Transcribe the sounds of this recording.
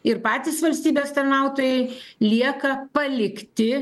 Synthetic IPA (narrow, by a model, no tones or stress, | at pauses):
ɪɾpɑːt̪ʲiːsʋɐlʲsʲt̪ʲiːbʲeːst̪ɐɾnɑˑʊt̪oːjɛɪlʲiɛkɐpɐlʲɪkt̪ʲɪ